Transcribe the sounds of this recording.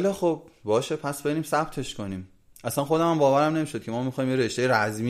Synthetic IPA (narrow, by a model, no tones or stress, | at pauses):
lɒxob̚bɒːʃepʰæsb̥eniːmsæb̚t̪ʰe̞ʃkʰoniːm | ʔæsænχxo̞d̪emæmbɒːvæɾæmne̞miːʃo̞d̪̚cʰe̞mɒːmixɒːjimjeɾe̞ʃt̪e̞jeɾæzmi